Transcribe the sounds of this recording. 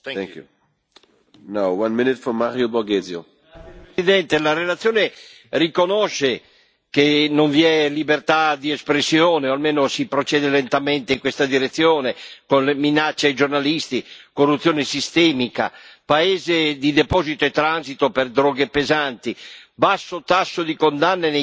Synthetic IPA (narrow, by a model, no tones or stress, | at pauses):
ɛku | nowwãnmɪnɪtfɔmaɾjobɔɡezjo̰ | id̪ɛnt̪elaɾelat̪sːjoːne | rikonɔʃe | kenoɱviɛlibert̪ad̪iɛspɾesːjɔːneoalmeːnosipɾot͡ʃɛːd̪elent̪amɛnt̪eiŋkwest̪ad̪iɾet̪sːjoːnekonleminat͡ʃːeajd͡ʒornalist̪ikorːut̪sːjoːnesist̪ɛːmika̰paeːzed̪id̪epɔːzit̪oet̪ːɾansit̪operd̪ɾɔːɡepezant̪ibasːot̪asːod̪ikond̪anːene